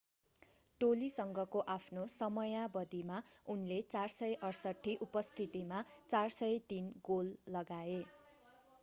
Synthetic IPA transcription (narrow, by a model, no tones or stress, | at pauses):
ʈolisʌŋɡʌkoʔapʰnosʌmʌjabʌd̪imaunlet͡sarsʌjʔʌrsʌʈʰːiʔupʌst̪ʰit̪imat͡sarsʌjt̪inɡolːʌɡae